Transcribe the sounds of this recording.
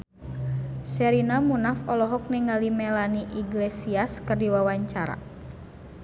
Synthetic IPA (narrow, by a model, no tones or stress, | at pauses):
sɛɾinamunafɔlɔɦɔk̚nɛŋalimɛlaniʔiɡlesiaskɨrdiwawaɲt͡ʃaɾa̰